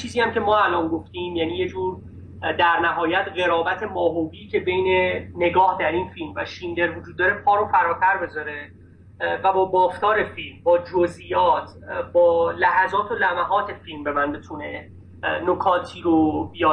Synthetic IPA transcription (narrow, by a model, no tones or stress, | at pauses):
t͡ʃʰiːziːæmcʰe̞mɒːælɒːnɡo̞ft̪iːmjæːniːje̞d͡ʒuːɾ | d̪æɾnæɦɒːjæt̪ɢe̞ɾɒːbæt̪ʰe̞mɒːɦobiːcʰe̞be̞jne̞ne̞ɡɒːhd̪æɾiːnfilmvæ̰ʃind̪e̞ɾvod͡ʒuːd̪̚ːɒːɾe̞pʰɒːɾofæɾɒːt̪ʰæɾbe̞zɒɾe̞ | væbɒːbɒːft̪ɒːɾe̞filmbɒːd͡ʒozʔijɒːt̪ʰ | bɒːlæhæzɒːt̪ʰo̞læmæɦɒːt̪ʰefilmbe̞mænbet̪ʰune̞ | nokʰɒːt̪ʰiːɾobijɒː